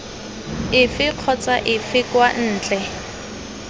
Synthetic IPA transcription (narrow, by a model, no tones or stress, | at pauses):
ɪfɪq͡χʰɔt͡saʔɪfɪkwan̩ːt͡ɬʼɛ